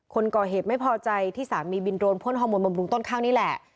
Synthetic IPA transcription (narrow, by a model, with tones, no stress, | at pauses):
kʰo˧nkɔː˨˩ɦeː˨˩t̪̚ma˥˩jpʰɔː˧t͡ɕa˧jt̪ʰiː˥˩saː˩˦nmiː˧bi˧nɾoː˧npʰu˥˩ənɦɔː˧moː˧nmba˧mɾu˧ŋt̪o˥˩nkʰaː˥˩ŋniː˦˥˩lɛ˨˩ʔ